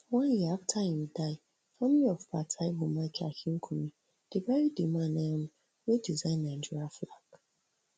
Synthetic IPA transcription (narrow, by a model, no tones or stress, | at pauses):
wãnjeaftʰahĩmdaɪ | fɔmiɔfpatʰaibomat͡ʃa̰kiŋ̩kʰumĩ | d̥ebajidimanɛm̩ | wedizaɪ̃nãnd͡ʒuaflak